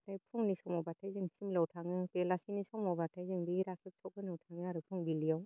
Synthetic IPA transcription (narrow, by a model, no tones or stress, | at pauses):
ɾajpʰuŋnisɔmɔbatʰajzɯŋsimlawtʰaŋɯpelasinisɔmɔbatʰajzɯŋbiɾakʰlɯk̚tʰɔk̚ɯnawtʰaŋɯaɾɯpʰuŋbilijaw